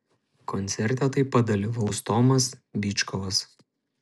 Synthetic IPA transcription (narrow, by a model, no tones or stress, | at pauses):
kɔnʲt̪sʲɛɾʲt̪ʲɛt̪ɐɪpːɐt̪̚d̪ɐlʲiʋɐʊst̪ɔmɐsbʲiːt͡ʃkɔʋɐs